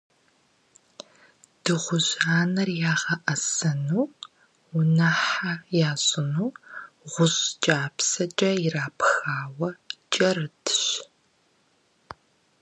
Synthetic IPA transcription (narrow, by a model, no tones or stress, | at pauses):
d̥ɨʁʷʊʑaːnɐrjaːʁɐʔɐsɐnuː | ʊnɐħajaːzʼɪnuː | ʁʷʊɕt͡ʃʼaːpsɐt͡ʃʼɐɪraːpʰxaːwɐt͡ʃʼɐrɨtʰɕ